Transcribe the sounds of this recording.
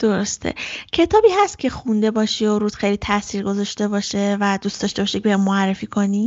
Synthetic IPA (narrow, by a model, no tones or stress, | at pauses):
d̪̥o̞ɾo̞st̪ʰḛcʰe̞t̪ʰɒːbiːɦæst̪̚cʰe̞xund̪e̞bɒːʃioɾuːd̪xejlit̪ʰæsiːɾɡo̞zɒʃt̪e̞bɒːʃe̞væd̪ust̪ɒʃt̪e̞bɒːʃeceejemoærːe̞fiːkʰo̞ni